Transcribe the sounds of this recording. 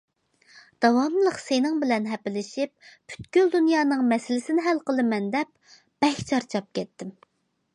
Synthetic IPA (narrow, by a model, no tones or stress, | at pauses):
d̪̥ɑwɑmlˠəqsenɪŋbɪlɛnɦɛpɪlɪʃip̚pʰy̥t̪kʲyld̪unjɑːnɨŋmɛsɪlɪsɪnɪɦælqəlˠɨmɛnd̪ɛp̚ | b̥ɛʃʲt͡ʃʰɑɾt͡ʃʰɑp̚kʲʰɛt̪ːɪm